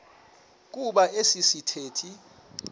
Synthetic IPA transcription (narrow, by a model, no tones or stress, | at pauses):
k̬uɓaʔesisitʰeːtʰi